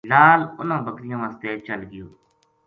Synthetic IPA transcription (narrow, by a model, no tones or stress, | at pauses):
laːlʊnãːbəkɾɪjãːʋaːst̪eːt͡ʃəlɡɪjoː